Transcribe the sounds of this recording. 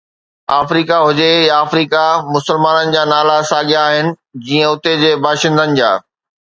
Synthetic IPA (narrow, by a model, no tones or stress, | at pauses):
aːfɾiːkaɦʊd͡ʑejaːfɾiːkamʊsəlmaːnənɪ̆d͡ʑaːnaːlasaːɠijaːɦɪnɪ̆ | d͡ʑiːə̃ʊt̪ed͡ʑeːbʱaːʃɪ̃nd̪ʱənɪ̆d͡ʑa̰ː